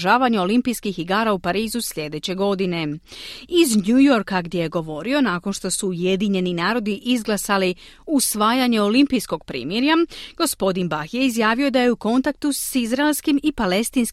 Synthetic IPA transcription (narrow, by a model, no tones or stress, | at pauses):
ʒaːʋaɲeo̞limpijskixiɡaːɾaupaɾiːzusʎʲe̞d̪e̞t͡ɕe̞ɡo̞d̪ine̞ | izɲujo̞ɾkaɡd̪jeje̞ɡo̞ʋo̞ɾio̞naːko̞nʃt̪o̞suːje̞d̪iɲe̞ninaːɾo̞d̪iʔizɡlˠasali | usʋaːjaɲe̞o̞limpijsko̞ɡ̚pɾḭːmjeɾjaɡ̥o̞spo̞d̪inbaxjeizjaːʋijod̪aje̞uko̞nt̪ak̚t̪usizɾaelˠskimipale̞st̪iːnsk